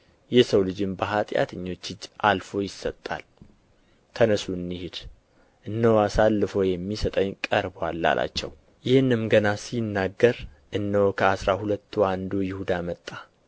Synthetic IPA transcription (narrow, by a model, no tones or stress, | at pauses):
jɛsəwlɨd͡ʒɪmbəɦat̪ʼja̰t̪ʰɨɲːo̞t͡ʃːɨd͡ʒːalfo̞jɪsət̪ʼːa̰l | t̪ʰənəsuɨnːihed̪ | ʔɨnːəwasalːɨfəwjɛmːisət̪ʼəɲːkʼəɾbwalːa̰lʔa̰t͡ʃːɛ̰w | jɪhɨnːɨmɡənasinːaɡːəɾ | ʔɨnːəwkʰəasɾahulət̪ːwand̪ojɪhud̪amət̪ʼːa